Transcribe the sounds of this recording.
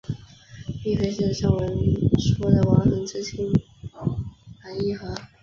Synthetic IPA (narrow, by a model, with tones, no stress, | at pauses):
pi˥˩fe˥ɪʂə˥˩ʂɑ˥˩ŋwə˧˥nʂwɔ˥d̪ə˨wɑ˧˥nxɤ˧˥ŋʈ͡ʂ̩˥t͡ɕʰi˥n | xa˧˥ɪi˥˩xɤ˧˥